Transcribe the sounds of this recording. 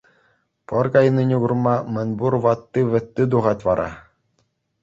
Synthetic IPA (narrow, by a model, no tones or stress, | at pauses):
pɤ̆rkɑjnɯnʲuɡŭrmɑmɘ̆nʲburʋɑt̪ːɯʋʲɘ̆t̪ʲːɘd̪uʁɑtʲʋɑɾʔɑ̰